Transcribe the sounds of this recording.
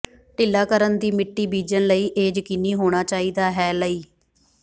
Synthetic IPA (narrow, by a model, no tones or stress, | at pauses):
ʈɪːlaːkəɾənd̪iːmɪʈːiːbiːd͡ʒənləiːʔeːd͡ʒkɪniːɦoːɽ̃aːt͡ʃaːiːd̪aːɦɛːləiː